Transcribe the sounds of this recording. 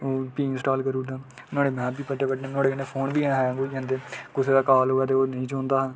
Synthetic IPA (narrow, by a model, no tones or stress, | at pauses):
oːpĩːnsʈaːlkəɾuːɖãː | nãːɽeːmɛ̃ːbiːpəʈːeːpəʈːnẽːnãːɽeːəneːpʰoːnbiːɦɛːɡoãːnd̪eːkʊseːd̪aːkaːlɦoːɛaːt̪̬eːoːnəĩːt͡ʃõːnd̪aːɦãː